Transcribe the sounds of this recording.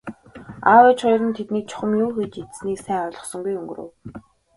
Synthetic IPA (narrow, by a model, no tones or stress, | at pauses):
awet͡ɕχʊj̆rə̆nt̪ʰet̪niːk̚t͡ɕʰʊ̥χə̆mjuːxet͡ɕet̪sniːksæːʊːɮɞ̆sɞ̆ŋɡujɵŋɡɵ̆ɾɵ̰ːw